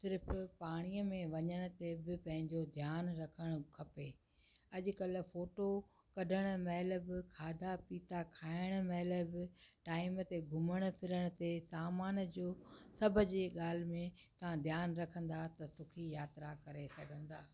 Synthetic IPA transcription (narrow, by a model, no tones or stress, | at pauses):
sɪɾɪfpaːɽ̃iəmẽʋɐɲəɽ̃ʊ̆t̪ebɪpɐ̃ɦɪ̃ɲd͡ʑod̪ʱjaːnɾɐkʰəɽ̃ʊkʰɐpeː | ɐʄʊ̆kɐlfoːʈo | kɐɖʱəɽ̃̆mɛɦlə̆bɪkʰaːd̪ʱapiːt̪akʰaːɪɽ̃mɛɦləbɪʈaːɪmt̪eɡʱʊməɽ̃̆pʰɪɾəɽ̃ʊ̆t̪esaːmaːnd͡ʑoːsɐbʱəd͡ʑeːɠaːl̤ɪmẽt̪ɐʋ̤ãd̪ʱjaːnɾɐkʰə̃n̆d̪at̪ɐt̪ʊkʰijaːt̪ɾakɐɾesɐɡʱə̃n̆d̪aː